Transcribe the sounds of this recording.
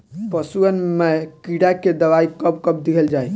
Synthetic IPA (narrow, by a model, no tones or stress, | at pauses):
pəsuənmekiɽaked̪əβaikəbkəb̚d̪iɦɛld͡ʒaj